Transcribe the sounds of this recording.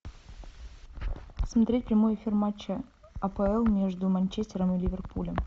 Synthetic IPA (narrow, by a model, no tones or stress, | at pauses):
smɐt̪ɾʲet̚ʲpɾʲɪmojefʲirmat͡ɕːə | ɐpəɛlˠmʲeʐd̪ʊmɐnʲt͡ɕesʲtʲɪɾəmɨlʲivʲerpulʲəm